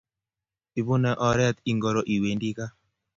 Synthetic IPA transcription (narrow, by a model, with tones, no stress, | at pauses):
i˨bu˦nɛ˨ʔɔ˨ɾɛ˦t̪i˨ŋɡɔ˨ɾɔ˨ʔi˨we˨ndi˦ka˦